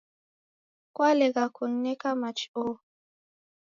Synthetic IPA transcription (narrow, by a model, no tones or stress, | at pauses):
kwalɛɡakunːɛkamat͡ʃi̥o